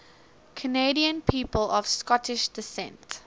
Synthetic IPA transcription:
kʰəneɪɾiə̃npʰiːpəlɔv̥skɔtɪʃd̥ɪsɛ̰̃nt

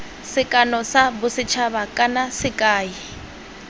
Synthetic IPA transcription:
sɪkʼanɔsabʊsɪt͡ʃʰabakʼanasɪkʼaːi

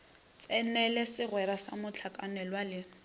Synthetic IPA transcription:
t͡sʼɛnɛlɛsɪrwɛɾasamʊt͡ɬʰakʼanɛlwalɪ

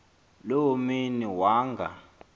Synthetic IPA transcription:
lowminiwaːŋɡʱa̰

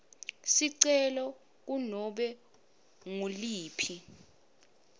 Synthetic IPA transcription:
siǀɛlɔ | k̬unɔɓɛ | ŋoliːpʰi

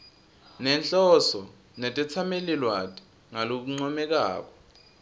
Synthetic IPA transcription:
nɛnt͡ɬʼɔsɔ | nɛtʼɛt͡sʰamelilwatʼi̥ | ŋalok̬uŋ͡ǀɔmɛk̬a̰ːk̬ɔ̥

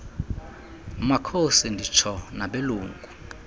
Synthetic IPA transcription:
makʰosindʱit͡ʃʰɔnaɓeluːŋɡʱu

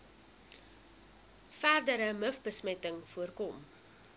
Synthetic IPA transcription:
fæːrdəɾəməfbəsmɛtəŋfuərkɔm

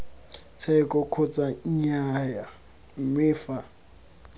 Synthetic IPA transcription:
t͡sʰɛkʼɔkʰʊt͡sʼaiɲaja | m̩mɪːfa

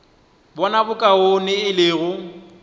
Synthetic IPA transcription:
bɔnabʊkʼaonɪɪlɪːɣʊ

